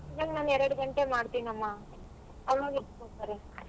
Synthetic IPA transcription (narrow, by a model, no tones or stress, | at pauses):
id͡ʒaːɡnaːnɛɾɐɽɡɐɳʈemaːɽt̪iːnɐmːaː | ɐʋnoɡitːkoɽt̪aːɾe